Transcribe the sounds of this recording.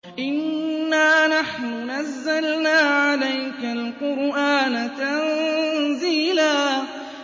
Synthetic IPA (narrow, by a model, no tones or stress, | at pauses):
ʔɪnːaːnaħnʊnazːalnaːʕalajkalqʊɾʔaːnat̪anziːlaː